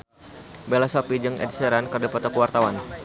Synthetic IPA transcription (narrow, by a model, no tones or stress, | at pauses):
belasopid͡ʒəŋɛ̰dsəɾankərdapat̪ɔkəwart̪awan